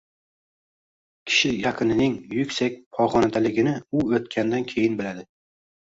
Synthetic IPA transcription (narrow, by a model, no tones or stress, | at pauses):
kʲʰɪ̥ʃɪjɑqʰɨnɪnɪŋjʊkʲsak̚ʲpʰɒʁɒnad̪alɪɡʲɪnɪʊot̪kʲʰand̪ankʲʰe̞jɪnbɪlad̪ɪ